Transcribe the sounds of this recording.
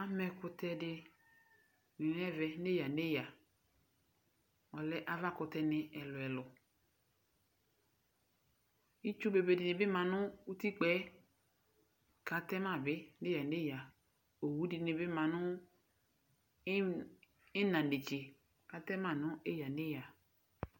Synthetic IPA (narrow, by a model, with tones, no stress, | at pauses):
a˦mɛ˨kʊ˧tɛ˦dɪ˧ | nĩ˨n˦ɛ˦vɛ˨˦ne˦ja˨ne˦˨ja˨ | ɔ˨lɛ˦ʔa˦va˦kʊ˨tɛ˧nɪ˨ɛ˨lʊ˨ɛ˨lʊ˨ | i˦t͡ʃu˦be˨be˨dɪ˨nɪ˨bɪ˦ma˨nʊ˦u˦ti˦k͡pɛ˦ | ka˨tɛ˦ma˦˨bɪ˦ne˦ja˨ne˦ja˨ | o˨wu˦di˨nɪ˨bɪ˦ma˨nʊ˦ | ɪ˦nã˨de˨t͡ʃe˨ | ka˦tɛ˦ma˦˨nʊ˦e˦ja˨ne˦ja˨